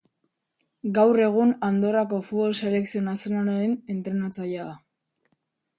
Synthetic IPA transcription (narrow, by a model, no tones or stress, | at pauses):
ɡawre̞ɣ̞unand̪o̞rako̞futβo̞lse̞le̞ksio̞nasijo̞nalaɾene̞nt̪ɾe̞nat͡sajaða